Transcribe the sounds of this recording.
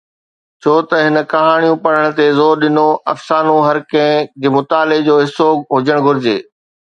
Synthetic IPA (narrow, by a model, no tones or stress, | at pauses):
t͡ɕʰoːt̪ɐɦɪnə̆kɐɦaːɽ̃ijũpɐɽ̤əɽ̃t̪ezoːɾɗɪnoʔɐfsaːnũɦɐɾkɐ̃ɦɪ̃kemʊt̪aːled͡ʑoːɦɪsoːɦʊd͡ʑəɽ̃ɡʱʊɾɪd͡ʑeː